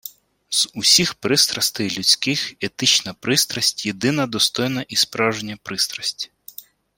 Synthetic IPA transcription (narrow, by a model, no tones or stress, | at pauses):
z̥ʊsʲixpɾɪst̪ɾɐst̪ɛjlʲʊt͡sʲkɪxet̪ɪt͡ʃnɐpɾɪst̪ɾɐsʲtʲjed̪ɪnɐd̪ɔst̪ɔjnɐʔispɾɑwʒenʲːɐpɾɪst̪ɾɐsʲtʲi̥